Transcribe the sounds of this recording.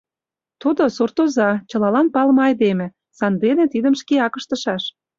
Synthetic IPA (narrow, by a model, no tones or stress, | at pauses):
t̪ud̪osurt̪ozɑt͡ɕɤ̆lɑlɑnpɑlmɤɑjd̪emĕ | sɑnd̪enĕt̪id̪əmʃkeɑkə̆ʃt̪ə̆ʃɑʃ